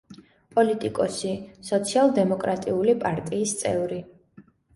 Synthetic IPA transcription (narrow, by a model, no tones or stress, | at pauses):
pʼɔlit̪ʼikʼɔsisɔt̪sʰialˠd̪ɛmɔkʼɾat̪ʼiulipʼaɾt̪ʼiːst̪sʼɛ̰vɾi